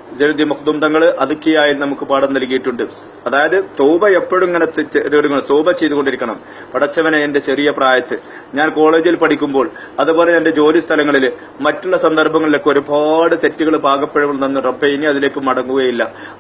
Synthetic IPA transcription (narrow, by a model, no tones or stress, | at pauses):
d͡ʑeld̪imɐkd̪umd̪ɐŋːɐɭʔɐðukʲːijaːjilnɐmukːɨpaːɽɐmnɐlk̬ːijiʈːuɳɖɨ | ɐðaːjɐðɨt̪oːbɐe̞pːoɽumeŋːɐnet̪t̪ɨɽukːɐɳt̪oːbɐt͡ɕːe̞jt̪uɣo̞ɳɖiɾikʲːɐɳɐm | pɐɽɐt͡ɕːɐʋɐnɐende̞t͡ɕe̞rijɐpraːjɐt̪ːɨ | ɲaːnko̞ːɭe̞ːd͡ʑilpɐʈʰikʲːumbo̞ːɭ | ɐðupo̞ːleɐnde̞d͡ʑo̞ːlist̪ʰɐlɐŋːɐɭil | mɐtːuɭːɐsɐnd̪ɐrbʱɐŋːɐɭilekːo̞ɾubʱaːɽɨt̪e̞tːuɣɐɭbʱaːɡɐpːeɻuʋuɭt̪ɐnːɨrɐmbejniɐðile̞ːkːumːɐɽɐŋːuɣɐjilːɐ